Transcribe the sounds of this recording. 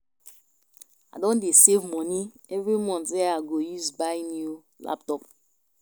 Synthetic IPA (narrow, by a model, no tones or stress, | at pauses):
adõndesevmɔni | ɛvɹimɔ̃ntdɛaɡojuzbaɪnju | la̰p̚tɔp̚